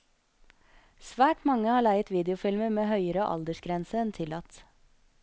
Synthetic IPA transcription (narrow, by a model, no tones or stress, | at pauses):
sʋæːʈmɑŋːəhɑːɭæɪət̪ʋiːd̪ɛʊfɪlməmeːhœʏəɾəʔɑ̰ld̪əʂɡɾɛnsəɛnt̪ʰɪlːɑt̪